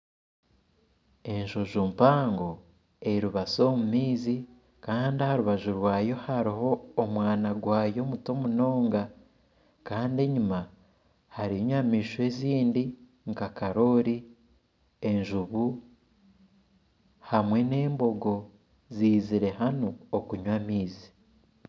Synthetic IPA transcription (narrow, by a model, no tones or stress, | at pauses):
e̞nʒoʒuːmpaːŋɡo̞ | e̞ɾuβaso̞mumiːzi | kaːndiahaɾuβaʒuɾwaːjo̞haɾiɦo̞ːmwaːnaɡwaːjo̞muto̞muno̞ːŋɡa | kaːnde̞ɲuma | haɾiɲwamiːʃwe̞ːziːndi | ŋkakaɾo̞ɾi | e̞nʒuβu | hamwe̞ne̞ːmbo̞ɡo̞ | ziːziɾe̞hano̞okuɲwamiːzi